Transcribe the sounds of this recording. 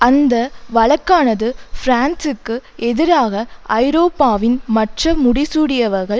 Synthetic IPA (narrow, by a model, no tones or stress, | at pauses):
ɐnd̪ɐʋɐɭɐkːaːnɐðɯfɾaːnsɯkːɯʔɛðɪɾaːɣɐʔɐɪɾoːpːaːʋɪnmɐʈrɐmʊɽɪsuːɽɪjɐʋɐɾɣɐɭ